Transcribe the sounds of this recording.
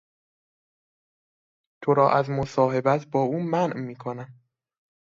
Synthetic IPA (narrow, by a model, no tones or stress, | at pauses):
t̪ʰoɾɒːʔæzmosɒːɦe̞bæt̪ʰbɒːuːmænʔmiːkʰonæm